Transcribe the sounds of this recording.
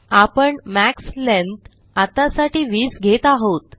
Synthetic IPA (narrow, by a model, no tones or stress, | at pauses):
apəɳmækslent̪ | at̪asaʈiːʋiːsɡʱet̪aɦot̪